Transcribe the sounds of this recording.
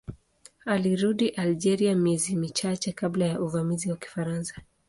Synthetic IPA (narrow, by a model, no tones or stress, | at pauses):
aliɾuɗiʔald͡ʒɛɾiamiɛzimit͡ʃat͡ʃɛkablajaʔuvamiziwaki̥faɾansḁ